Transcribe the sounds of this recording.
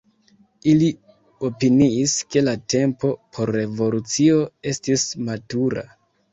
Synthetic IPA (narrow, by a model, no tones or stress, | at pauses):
ili | o̞piniːske̞late̞mpo̞pʰo̞ɾːe̞vo̞lut͡sio̞e̞stismatuɾa̰